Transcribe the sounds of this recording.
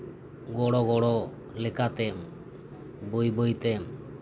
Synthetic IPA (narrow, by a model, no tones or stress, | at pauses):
ɡɔɽɔɡɔɽɔ | lɛkat̪ɛm | bəjbəjt̪ɛm